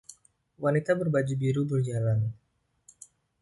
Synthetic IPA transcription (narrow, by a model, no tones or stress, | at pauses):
wanit̪abərbad͡ʒubiɾubərd͡ʒalan